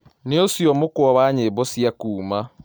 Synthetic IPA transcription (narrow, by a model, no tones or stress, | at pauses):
neosjɔmokwɔβaɲeβɔsiakuːma